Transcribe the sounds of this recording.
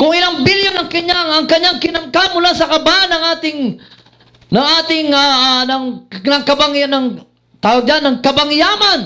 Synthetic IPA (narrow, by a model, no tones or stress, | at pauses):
kʊŋɪlaŋbɪljonaŋkɪɲaŋaŋkaɲːaŋkɪnamkamʊlasakabanaŋat̪ɪŋ | naŋat̪ɪŋanaŋnaŋkabaŋjanaŋ | t̪awaɡanːaŋkabaŋjaman